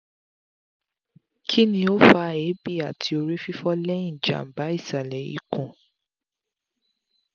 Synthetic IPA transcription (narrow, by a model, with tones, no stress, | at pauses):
kʰi˦nĩ˧o˦fa˦˨e˨˦bi˦˨a˨tʰi˧˦o˧ɾi˦fi˦fɔ˦lɛ˦ĩ˦˨d͡ʒa̰˨m̩˨ba˨˦i˦˨sa˨lɛ˨ḭ˨˦kũ˨